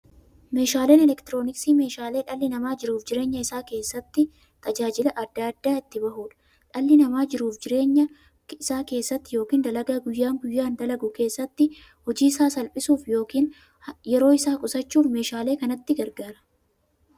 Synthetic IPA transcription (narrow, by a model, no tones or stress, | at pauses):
me̞ːʃaːle̞ːnɛlɛkt̪ɪɾo̞ːnɪksiːme̞ːʃaːle̞ːᶑɐlːɪnɐmaːd͡ʒɪɾuːfd͡ʒɪɾe̞ːɲːɐɪsaːke̞ːsːɐt̪ːɪ | t̪ɐd͡ʒaːd͡ʒɪlɐʔɐd̪ːaːɐd̪ːaːɪt̪ːɪbɐɦuːᶑɐ̥ | ᶑɐlːɪnɐmaːd͡ʒɪɾuːfd͡ʒɪɾe̞ːɲːɐ | ɪsaːke̞ːsːɐt̪ːɪjo̞ːkiːnd̪ɐlɐɡaːɡʊjːaːŋɡʊjːaːnd̪ɐlɐɡʊke̞ːsːɐt̪ːɪ | hɔd͡ʒiːɪsaːsɐlpʼɪsuːfjoːkiːn | jɛɾo̞ːɪsaːkʼʊsɐt͡ʃːuːfme̞ːʃaːle̞ːkɐnɐt̪ːɪɡɐɾɡaːɾɐ̥